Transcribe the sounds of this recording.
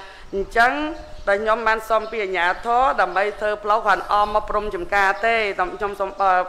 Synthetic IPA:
ɲt͡ɕəŋɗaɔlkʰɲomɓaːnsompiːʔaɲaːt̪ʰɔːɗaəmɓəjt̪ʰəːpʰlohkanʔɑːmɑpːrumt͡ɕɑmkaːt̪eːɗkʰɲomsomɓ

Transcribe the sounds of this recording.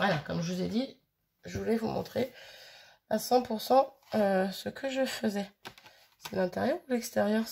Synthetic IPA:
valakɔmʒəvuzɛd̪i | ʒəvulɛvumɔ̰̃t̪χe | asɑ̃puʁsɑ̃øsəkʰəʒəfəzɛ | sɛlɛ̃t̪ɛʁjœʁulɛkst̪ɛʁjœʁ

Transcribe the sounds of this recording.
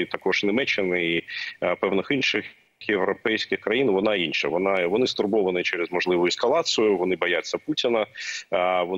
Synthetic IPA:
it̪ɐkɔʐnʲɪmɛt͡ʃːɪnɪipɛwnɪxinʃɪx | jeʋɾɔpɛjsʲkʲɪxkɾɐjinʋɔnɑinʃɐʋɔnɑʋɔnɪst̪ʊrbɔʋɐnɪt͡ʃɛɾezmɔʒlˠɪʋʊjʊɛskɐlˠɑt̪sɨjʊʋɔnɪbɔjat͡sʲːɐputʲɪnɐ | ʋɔ

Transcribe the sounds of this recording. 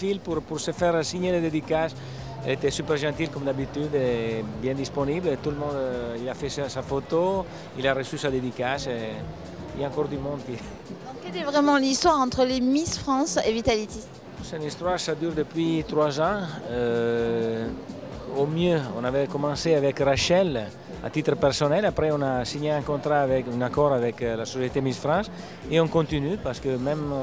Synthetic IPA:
filpuɾpuɾsəfɛʁsiɲeled̪ed̪ikas | ɛ̰let̪ɛsypɛʁʒɑ̃t̪ilkɔmd̪abit̪yd̪ebjɛ̃d̪isponiblet̪uləmɔ̃nd̪ilafɛsasafot̪o | ilaɾəsysad̪ed̪ikase | ilaɑ̃ŋkɔʁd̪ymɔ̃d̪t̪ĩ | kɛlɛvʁɛmɑ̃list̪waʁɑ̃t̪χəlemisfχɑ̃sevit̪alit̪is | sɛ̃nist̪ɾwaɾsad̪yɾd̪əpɥit̪ɾwazɑ̃ø | omjøɔ̃navɛkomɑ̃seavɛkraʃɛl | a̰t̪it̪ɾəpɛɾsonɛlapɾɛɔ̃nasiɲeɛ̃ŋkɔ̃nt̪ɾaːvɛkynakɔɾavɛklasosjet̪emisfɾɑ̃s | eɔ̃ŋkõnt̪inypaʁsə̥kømɛm

